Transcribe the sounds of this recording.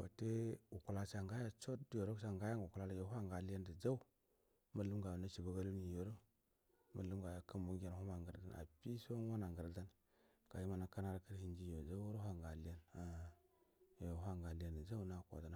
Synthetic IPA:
wa̰˨te˦u˨ku˨la˦sa˨ŋɡa˦ja˦t͡ʃo˦tdjo˨ɾo˦ka˨ŋɡa˦ja˦ŋɡu˨ku˨la˦la˦jo˨˦ɦʷa˦ŋɡa˨li˦ja˦ndə˨d͡za˦u˦ | ma˦lu˦ɡʷa˨na˦t͡ʃi˨ba˦ɡa˦lu˦ni˨jo˨ɾo˦ | ma˨lu˦mɡʷa˨ja˦kə˦mbu˦ɡʲe˨ɾu˦ma˨ŋɡə˨ɾda̰˦na̰˨pi˦so˦ŋo˦na˨ŋɡə˨ɾda˦n | ka˨ji˦ma˨na˦ka˦na˦ɾa˦kə˦ɾhi˦nd͡ʒi˦jo˨d͡ʒa˦o˦ɾo˦ɦa˦ŋɡa˨li˦ja˦na˦ | jo˨ɦʷa˦˨ŋɡa˨li˦ja˦˨ndə˨d͡za˦u˦˨˦na˦˨kʷa̰˨da˨na˦

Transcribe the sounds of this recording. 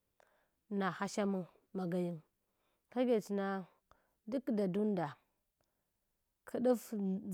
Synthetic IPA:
na˨ha˦ʃa˦mu˦ | ma˨ɡa˦ji˦ŋ | ka˦ɡe˨t͡ʃi˨na˦ | du˦kda˨du˦n˦da˨ | kʰi˦ɗu˦f

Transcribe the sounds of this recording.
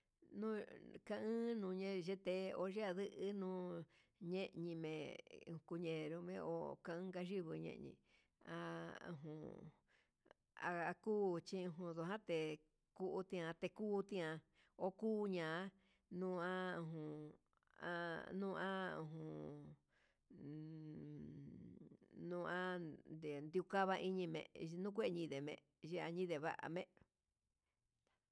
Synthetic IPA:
nũ˦kã˧ʔɨ̃ː˦nũː˧ɲẽ˧ʒe˧t̪e˧o˧ʒe˦a˧ðɨ˦ʔɨ˦nũː˦ | ɲẽ˦ʔɲĩ˧mḛ̃˨˧ku˧ɲẽ˨ɾu˧mḛ̃˧o̰˧ka˧ɨ̃ː˦ka˧ʒi˦βɨ˧ɲḛ̃˦˨ɲḭ̃˧ | a˧ṵ̃˧˨ɦũ˨ | a˧a˧kuː˦t͡ʃi˦˧ũ˧ɦũ˧ðo˧ɦã˦t̪e˨ | ku˦ʔu˧t̪ĩ˧ã˧t̪e˧kuː˦t̪ĩ˦ã˧ | o˦kuː˦ɲãː˨˦ | nũ˧ã˦ũ˧ɦũ˧ | a̰˧nũː˦˧ʔã˦ṵ̃˧ɦũ˨ | nũː˧ã˦d̪e˨nd̪i˧u˧ka˦βa˧ʔi˦ɲĩ˧mḛ̃˧˨ʔnũ˦kʷe˦˧ɲĩ˧ðe˨mḛ̃˧˨ | ʒe˧a˧ɲĩ˦ðe˨βa̰˦ʔa̰˧˨mẽ˦ʔ

